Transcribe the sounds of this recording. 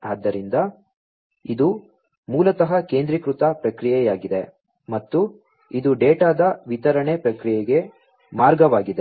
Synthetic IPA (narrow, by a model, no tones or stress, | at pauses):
aːd̪ːɐɾind̪ɐ | id̪u | muːlɐt̪ɐɦɐke̞ːnd̪ɾikɾut̪ɐpɾɐkɾijɛjaːɡid̪e | mɐt̪ːu | id̪uɖeːʈaːd̪ɐʋit̪ɐɾɐɳepɾɐkɾijɛɡe̞ | maːɾɡɐʋaːɡid̪e̞